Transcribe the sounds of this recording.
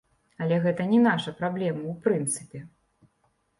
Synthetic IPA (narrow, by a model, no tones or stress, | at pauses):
ɐlʲɛɣɛt̪ɐnʲɛnaʂɐpɾablʲɛmɐwpɾɨnt̪sɨpʲɛ